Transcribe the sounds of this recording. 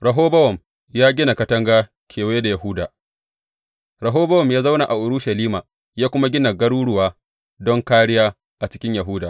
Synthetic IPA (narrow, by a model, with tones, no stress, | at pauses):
ɾɐ˨ɦoː˦bɐ˦wɔ˨m | jaː˦ɡʲɪ˦na˨kɐ˦tɐ˦ŋɡaː˦ | kʰʲeː˨weː˦da˨ja˨ɦʊː˦daː˨ | ɾɐ˨ɦoː˦bɐ˦wɔ˨mjaː˦za˦wna˨ʔa˨ʔʊ˨ɾʊ˦ʃɐ˨liː˦maː˨ | jaː˦kʷʊ˦ma˦ɡʲɪ˦na˨ɡɐ˦ɽuː˦ɽʊ˦˨waː˦ | dɔ˦ŋkaː˦ɽɪ˦jaː˦ | ʔa˨t͡ʃɪ̥˦kʲɪ˦ɲjɐ˨ɦʊ˦daː˨